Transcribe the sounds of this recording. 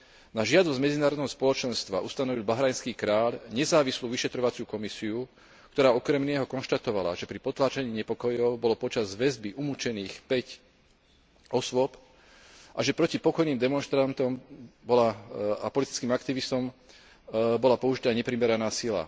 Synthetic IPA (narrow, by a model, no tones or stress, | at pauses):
naʒɪad̪ɔzmɛd͡zinaːɾɔd̪nɛɦɔspɔlɔt͡ʃɛnst̪ʋa̰ʔust̪anɔʋilbaɦɾajnskiːkɾaːʎɲɛzaːʋisluːʋiʃɛt̪ɾɔʋat͡sjuːkɔmisiu | k̚t̪ɔɾaːɔkɾɛmnɛɦɔkɔnʃt̪at̪ɔʋala̰ʒɛpɾipɔt̪laːt͡ʃaɲiːɲɛpɔkɔjɔʊbɔlɔpɔt͡ʃazʋɛzbiʔumut͡ʃɛniːxpɛc | ɔsʋʊɔp | ʔaʒɛpɾɔcipɔkɔjniːmd̪ɛmɔnʃt̪ɾant̪ɔmbɔlaapɔlit̪i̥t͡skiːmakt̪iʋist̪ɔm | bɔlapɔuʒit̪aːɲɛpɾimɛɾanaːsila̰